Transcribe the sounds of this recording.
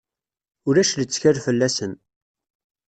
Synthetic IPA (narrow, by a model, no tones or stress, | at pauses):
ʊɾæʃlət͡sːçæɾfəlːæsən